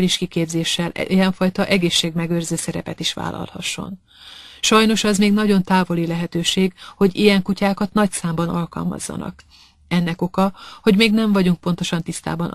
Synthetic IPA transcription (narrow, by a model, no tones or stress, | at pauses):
liʃkikeːbzeːʃːɛlijɛɱfɒjt̪ɒʔɛɡeːʃːeːɡmɛɡørzøːsɛɾɛpɛt̪iʃʋa̰ːlʔɒ̰lhɒ̰ʃːo̞̰n | ʃɒjno̞ʃɛzmeːɡnɒɟo̞nt̪aːvo̞lilɛɦɛt̪øːʃeːɡho̞ɟijɛŋkucaːkɒt̪nɒcsaːmbɒnɒlkɒ̰lmɒ̰zːɒ̰nɒ̰k | ɛnːɛko̞kɒho̞ɟmeːɡnɛɱvɒɟuŋk̚po̞n̪t̪o̞ʃɒnt̪ist̪a̰ːbɒn